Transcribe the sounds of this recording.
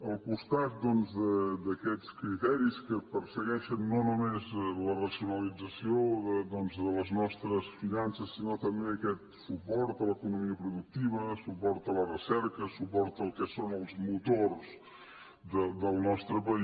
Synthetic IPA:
əlˠkust̪at̪̚d̪ɔnzðəd̪əkɛt͡skɾit̪ɛɾiskəpəɾsəɣɛʃənːonumezlərəziunəlid͡zəsioðəd̪ɔnzðələznɔst̪ɾəsfinansəsːinot̪əmbeəkɛt̪̚supɔɾt̪ələkunumiəpɾuðuk̚t̪iβəsupɔɾt̪ələrəsɛɾkəsupɔɾt̪əːlˠkɛsonəlˠzmut̪orz̥ | d̪əd̪əlˠnɔst̪ɾəpəi

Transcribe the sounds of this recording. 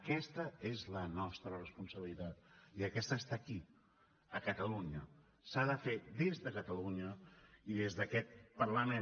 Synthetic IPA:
kɛst̪əezlənɔst̪ɾərəspunsəβilit̪at̪̚iəkɛst̪əːst̪aki | əkət̪əluɲə | saðəfed̪ezðəkət̪əluɲəiðezðəkɛt̪̚pərləme

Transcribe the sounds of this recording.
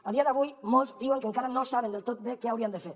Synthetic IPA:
aðiaðaɣujmolzd̪iueŋkeŋkaɾanosaβend̪elt̪ot̪̚dekeawɾiand̪ese

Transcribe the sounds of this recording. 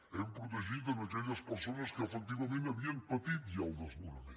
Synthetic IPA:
ɛmpɾut̪əʒit̪ənɐkɛʎəspəɾsonəskəːfək̚t̪iβɐmenɐβiəŋpət̪it̪̚ialˠd̪əzmuɾɾi

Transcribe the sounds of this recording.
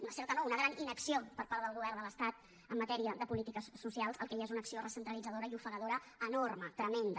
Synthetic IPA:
unəsɛɾt̪ənounəɣ̞ɾaninəksiopəɾpaɾðəəlˠɣuβɛrnd̪ələst̪at̪̚ | əmːət̪ɛɾiəðəpulit̪ikəsːusialˠzəlˠkɛʒaezunəksiorəsənt̪ɾəlid͡zəðoɾəiufəɣəðoɾə | ənormət̪ɾəmend̪ə

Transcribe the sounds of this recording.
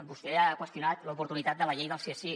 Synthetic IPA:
bust̪ɛakwəst̪junat̪ləupuɾt̪unit̪at̪̚d̪ələʎejðəlˠsiesi

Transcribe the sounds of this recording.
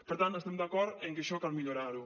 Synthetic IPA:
peɾt̪ant̪ost̪ɛmd̪akɔɾeŋkeʃɔkalmiʎoɾaɾu

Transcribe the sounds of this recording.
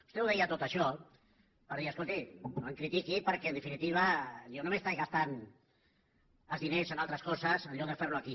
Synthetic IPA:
ust̪ɛwðɛjaət̪ot̪əʃɔ | pəɾðiəskolˠt̪iəŋkɾit̪ikipəɾkɛənd̪ifinit̪iβ̞əjonomest̪ajɣast̪an | əlzðinezənalˠt̪ɾəskɔsəsənʎɔk̚ðəfɛɾluaki

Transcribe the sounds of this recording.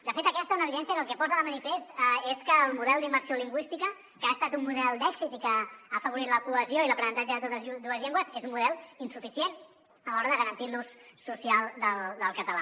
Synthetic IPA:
d̪əfet̪əkɛst̪əunəːβiðɛnsjəkəlˠkɛpɔzəðəmənifest̪eskəːlˠmuðɛlˠd̪imbəɾsioliŋɡwist̪ikə | kaːst̪at̪umːuðɛlˠd̪ɛksit̪ikəːfəβuɾit̪ləkuəzioiləpɾənənt̪ad͡ʒəðət̪ot̪əzd̪uəzʎeŋɡwəzezummuðɛlˠinsufisien | əlɔɾəðəɣəɾənt̪ilnusːusialˠd̪əlˠd̪əlˠkət̪əla

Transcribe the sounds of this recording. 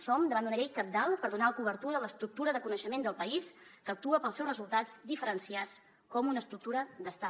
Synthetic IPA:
sɔmd̪əβand̪unəʎejkəp̚d̪alˠpəɾðunaləkuβ̞əɾt̪uɾələst̪ɾuk̚t̪uɾəðəkunəʃəmend̪əlˠpəiskək̚t̪uəpəlˠsɛwrəzulˠt̪ad͡zd̪ifəɾənsiat͡s | kɔmunəst̪ɾuk̚t̪uɾəd̪əst̪a

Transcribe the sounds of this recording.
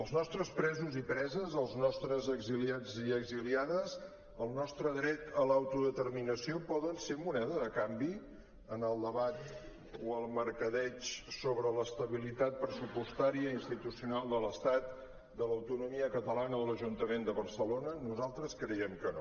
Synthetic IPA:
əlˠznɔst̪ɾəspɾɛzuzipɾɛzəzəlˠznɔst̪ɾəzəɡziliaziəɡziliaðəz | əlˠnɔst̪ɾəðɾɛt̪əlawt̪uðət̪ərminəsiopɔðənsemunɛðəðəkambi | ənəlˠd̪əβat̪ | oəlˠməɾkəðɛt͡ʃsoβɾələst̪əβilit̪at̪̚pɾəsupust̪aɾiəinst̪it̪usiunalˠd̪ələst̪at̪ | d̪ələwt̪unumiəkət̪əlanəðələʒunt̪əmend̪əβərsəlonənuzalˠt̪ɾəskɾɛjɛmkəno

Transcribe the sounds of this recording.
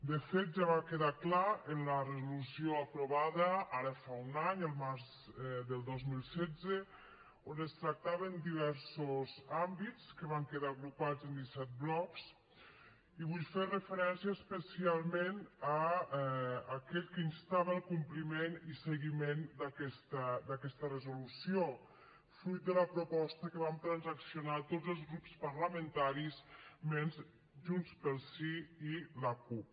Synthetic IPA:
d̪əfet̪̚ʒaβakeðaklaənlərəzulusjioəpɾuβaðəaɾəfaunaɲəlˠmaɾz | d̪əlˠd̪ozmilˠsɛd͡ze | onəst̪ɾak̚t̪aβənd̪iβ̞ɛɾsozambitt͡skəβaŋkeðaɣɾupad͡zənd̪isɛt̪̚blɔks | iβuʎferəfəɾɛnsiəːspəsialˠmenə | kɛʎkəinst̪aβəəlˠkumplimenisəɣimend̪əkɛst̪əd̪əkɛst̪ərəzulusio | fɾujt̪̚d̪ələpɾupɔst̪əkəβamt̪ɾənzəksiunat̪odd͡zzəlˠzɣɾupspəɾləmənt̪aɾismenz | ʒunspəlˠsiiləkup

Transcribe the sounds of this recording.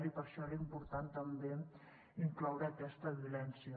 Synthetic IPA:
ɾipəɾʃɔeɾimpuɾt̪ant̪əmbe | iŋklɔwɾəːkɛst̪əβiulɛnsiə

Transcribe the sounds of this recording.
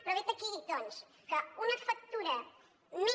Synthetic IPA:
pɾɐβit̪ɐkid̪ons | kaunɐfɐk̚t̪uɾɐ | mi

